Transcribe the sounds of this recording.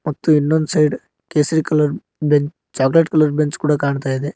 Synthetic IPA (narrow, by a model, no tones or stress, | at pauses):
mɐt̪ːuinːond̪sɐjɖ | keːsɐɾikɐlɐɾ | beɲt͡ʃ | t͡ʃaːkleʈkɐlɐɾbeɲt͡ʃkuːɽɐkaːɳt̪aːjid̪e